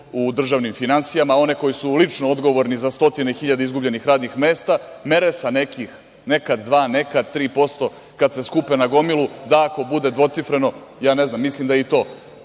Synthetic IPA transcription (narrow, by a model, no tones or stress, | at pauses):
ud̪r̩ʒaːʋnimfinansijamao̞ne̞ko̞jisulit͡ʃnood̪ɡo̞ʋoɾnizast̪o̞t̪ine̞xiʎad̪eizɡubʎe̞nixɾaːd̪nixme̞ːst̪ame̞ɾesanekix | ne̞kad̪ːʋaːne̞kad̪t̪ːɾiːpo̞st̪o̞ | kad̪se̞skupenaɡo̞milud̪aako̞bud̪e̞d̪ʋo̞t̪sifɾe̞no̞jaːneznaːmːislimd̪ait̪o̞ː